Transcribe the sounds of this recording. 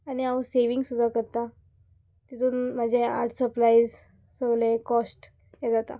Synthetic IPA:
añiaʋseʋiŋɡsud̪ʱakəɾt̪a | t̪it̪ʰuːnmad͡ʑʱea̰ɾʈʰsəplaiz | səɡlekɔsʈ | jed͡zat̪a̰

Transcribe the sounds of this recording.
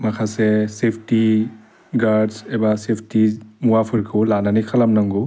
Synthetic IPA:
makʰasesepʰti | ɡaɾdsebasepʰtimuwapʰɯɾkʰɯlananikʰalamnaŋɡu

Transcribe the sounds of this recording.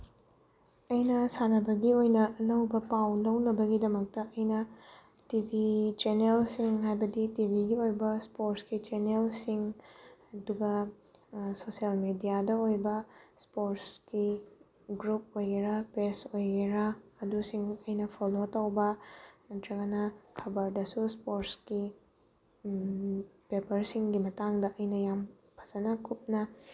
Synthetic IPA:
ɐjnɐsanɐbɐɡiojnɐʔɐnɐwbɐpawnlɐwnɐbɐɡidɐmɐk̚tɐʔɐjnɐ | tibʱit͡ʃenelsiŋɦajbɐditibʱiɡiojbɐspoɾskit͡ʃenelsiŋɐduɡɐ | sosiɐlmedijadɐojbɐspoɾski | ɡɾup̚ojɡeɾapesojɡeɾaːdusiŋɐjnɐpʰolotɐwbɐnɐtʰɾɐɡɐnɐkʰɐbɐɾdɐsuspoɾski | pepɐɾsiŋɡimɐtaŋdɐʔɐjnɐjam | pʰɐ̥zɐnɐkʰup̚nɐ

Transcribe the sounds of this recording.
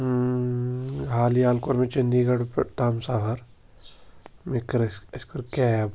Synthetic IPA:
ɦaːliaːlkoɾmẽt͡ʃɐnd̪iːɡɐɽpt̪aːmsaːɦɐɾ | mekɐɾɐskɐɾkɛːb

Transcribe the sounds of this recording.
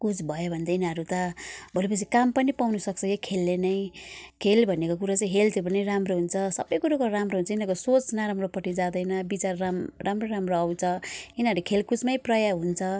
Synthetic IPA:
kut͡sʰbʱʌjobʱʌnd̪ainʌɾut̪ʌbʱolep̬ʌt͡sʰikampʌnipawnusʌkt͡sʰʌjekʰelːenʌjkʰelbʱʌnekok̬uɾat͡saj̃ɦelt̪ʰjopʌnijramroɦunt͡sʰʌsʌbʌjkuɾakoramroɦunt͡sʰʌinakosot͡snaɾamropʌʈid͡zad̪ʌjnʌbit͡saramramroɾamroʌwt͡sʰʌinʌɾukʰelkut͡smʌjprʌjaɦunt͡sʰʌ

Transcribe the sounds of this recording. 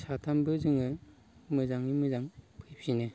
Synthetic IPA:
satʰambɯzɯŋɯ | mɯzaŋimɯzaŋpʰɯjp̚sinɯ

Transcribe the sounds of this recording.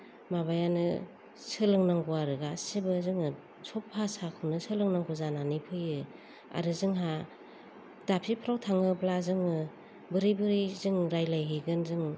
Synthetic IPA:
mabajanɯ̰ | sɯlɯŋnaŋɡuaɾɯɡasibɯzɯŋɯ | sʰɔpʰːasakʰɯnɯsɯlɯŋnaŋɡuzananipʰɯjɯ | a̰ɾɯzɯŋɦa | d̥apʰipʰɾawtʰaŋɯblazɯŋɯ | bɯɾibɯɾizɯŋɾajlajɦɯɡɯnzɯŋ

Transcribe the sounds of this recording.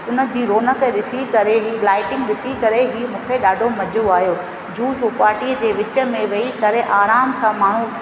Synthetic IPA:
ʊnə̆d͡ʑiːɾoːnəkɗɪsikɐɾeɦiːlaːɪʈɪ̃ŋɡ̚ɗɪsikɐɾeɦiːmũːkʰeɗaːɖʱomɐd͡ʑʱoaːɦijoː | d͡ʑuːd͡ʑuːpaːɾʈiːəd͡ʑeːʋɪt͡ɕə̆mẽʋɐik̪ɐɾeʔaːɾaːmsãmaːɳ̤̃u

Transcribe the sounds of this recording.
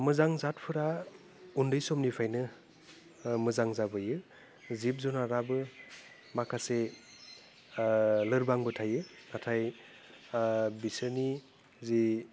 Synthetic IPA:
mɯzaŋzat̚pʰɯɾa | undɯjsɔmnipʰajnɯ | mɯzaŋzabɯjɯ | zip̚zɔnaɾabɯ | makʰase | lɯɾbaŋbɯtʰajɯnatʰaj | bisɯni | zi

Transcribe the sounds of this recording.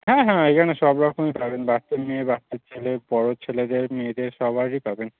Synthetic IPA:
ɦɛ̃ɦɛ̃ekʰaneʃɔbɾɔkomepabenbast̪eɾmeebast̪eɾt͡ɕʰelebɔɾot͡ɕʰeled̪eɾmeed̪eɾʃɔbʱaɾɾipaben

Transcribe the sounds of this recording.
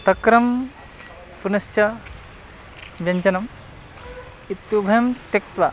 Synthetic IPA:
t̪ɐkɾɐm | punɐst͡ʃɐ | ʋjɐɲt͡ʃɐnɐm | it̪jubʱɐjɐmt̪ekt̪ʋɐ

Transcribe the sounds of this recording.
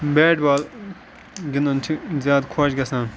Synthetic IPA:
beːʈbaːl | ɡinɐnt͡ʃʰizjaːd̪kʰoːt͡ʃɡɐsãː

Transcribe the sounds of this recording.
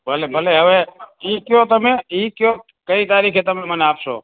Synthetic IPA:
bʱəlebʱəleɦəʋeikjot̪əmeikjo | kəit̪aɾikʰet̪əmeməneapʃo̰

